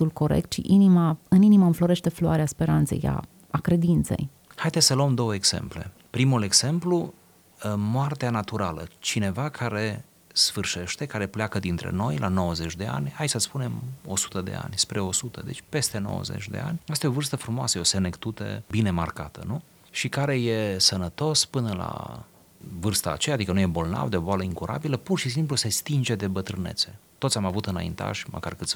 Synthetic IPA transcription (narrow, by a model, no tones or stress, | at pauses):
ulko̞ɾḛk̚t̪ʃḭʔinimaɨniniməɨɱflo̞ɾe̞ʃt̪e̞floaɾeaspe̞ɾant̪se̞̰ja̰ | akɾe̞d̪int̪se̞̰j | hajd̪esʲsəluəmd̪o̞wəeɡz̥e̞̰mple̞̰ | pɾimule̞ɡz̥e̞mplu | moart̪eanat̪uɾalə̰t͡ʃine̞vakʰaɾe̞ | sfɨrʃe̞ʃt̪e̞kaɾe̞pleakəd̪int̪ɾe̞̰no̞jlʔa̰no̞wəze̞t͡ʃʲd̪e̞a̰nʲhajsəspune̞mo̞su̥t̪əd̪e̞̰a̰nʲspɾe̞o̞sut̪ə̰d̪e̞t͡ʃʲpe̞st̪e̞no̰wə̰zḛt͡ʃʲd̪ḛa̰nʲast̪aeo̞vɨrst̪əfɾumoa̰səjeo̞senekt̪ut̪ə̰bine̞markat̪ə̰nu | ʃikaɾe̞je̞sənət̪o̞spɨnəla̰ | vɨrst̪a̰ːt͡ʃejad̪ikənujebo̞lna̰vd̪eoboaləiŋkuɾʔa̰biləpurʃis̬impluse̞st̪ind͡ʒe̞d̪e̞bət̪ɾɨne̞t̪se̞t̪ot̪sʲamavut̪ɨnaḭnt̪a̰ʃmə̰ka̰rkɨt̪sʲ